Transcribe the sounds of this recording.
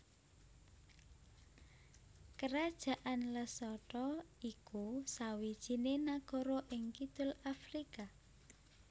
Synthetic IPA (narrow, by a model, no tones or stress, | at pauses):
kəɾad̥ʒ̥a̤ʔanləsɔʈɔikusawid̥ʒ̥i̤nenaɡ̥ɔ̤ɾɔʔɪŋkid̪̥ʊlafɾika